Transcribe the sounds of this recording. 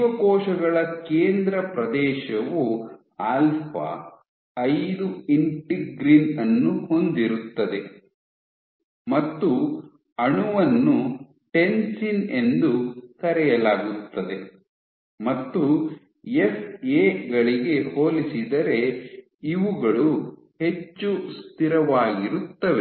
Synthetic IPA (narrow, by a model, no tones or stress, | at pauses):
ʋɐkɔːʃɐɡɐɭɐkeːnd̪ɾɐpɾɐd̪ɛːʃɐʋu | aːlpʰɐ̰ | ɐjd̪uiɳʈiɡɾinɐnːuho̞nd̪iɾut̪ːɐd̪e̞ | mɐt̪ːu | ɐɳuʋɐnːu | ʈe̞nsine̞nd̪ukɐɾɛjɐlaːɡut̪ːɐd̪e̞ | mɐt̪ːu | e̞seːɡɐɭiɡe̞hoːlisid̪ɐɾe̞ | iʋuɡɐɭu | he̞t͡ʃːust̪iɾɐʋaːɡiɾut̪ːɐʋe